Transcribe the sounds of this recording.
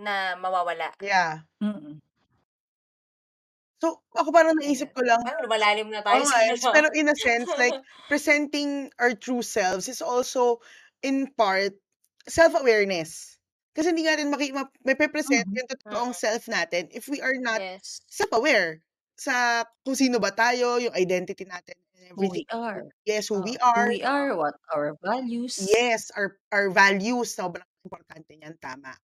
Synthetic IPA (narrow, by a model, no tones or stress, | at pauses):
nɐmɐwaːwɐla̰ʔja | so | ʔɐko̞paːɾɐŋnɐʔiːs̬ɪp̚kolɐŋmɐlaːlɪmnɐt̪aoaspɛɾoʔɪnɐsɛnslajk̚ | pɹɛsɛnt̪ɪŋʔɐɹt̪ɹuːsɛlfsɪt̪solso | ʔɪnpaɹt̪̚ | sɛlfɐwɛɹnɛs | kɐsɛhɪnd̪iŋɐnat̪ɪnmɐkimɐmɐpɾɛpɾɛsɛnt̪jʊŋt̪ot̪ot̪oʔoŋsɛlfnaːt̪ɛnʔɪfwiʔɐɹnɐt̪̚sɛpɐwɛɹ | sɐkʊŋsiːnobɐt̪aːjo̞jʊŋɐjd̪ɛnt̪ɪt̪inaːt̪ɪnnʔɛvɹit̪ɪŋjɛshuːwiʔaɹaɹwɔt̪̚awəvaljusjɛsɐɹʔaəɹvaljust̪ɐbɐlɐɐʔɪmpɔɾt̪ant̪ɛɲɐnt̪a̰ːma̰ʔ